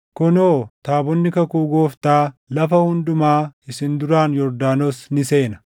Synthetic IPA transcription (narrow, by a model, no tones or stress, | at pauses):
kɔnoːt̪aːbɔnːɪkɐkuːɡoːft̪aːlɐfɐhʊnd̪ʊmaːɪsɪnd̪ʊɾaːnjɔɾd̪aːnoːsnɪse̞ːnɐ̥